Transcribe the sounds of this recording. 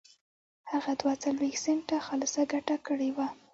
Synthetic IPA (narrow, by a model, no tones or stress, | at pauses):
haɣad̪wat͡salwext̪seɳʈaxalsaɡaʈakəɽewa